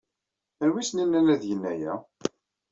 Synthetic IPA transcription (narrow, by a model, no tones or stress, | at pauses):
æɾwisninːælæðjənːæjæ